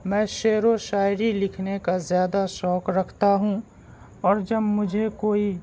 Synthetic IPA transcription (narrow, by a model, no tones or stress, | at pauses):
mɛ̃ːʃeːɾoʃaːɪɾilɪkʰnekazjaːd̪aʃɔːkɾɐkʰt̪aɦũ | ɔːɾd͡ʒɐbmʊd͡ʒʱekoːi